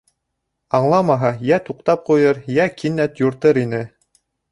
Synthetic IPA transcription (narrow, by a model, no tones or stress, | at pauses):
ɑɴlˠɑmɑɦɑjæt̪uqt̪ɑp̚qujɤɾjækinːæt̪jŏɾt̪ɤɾinɘ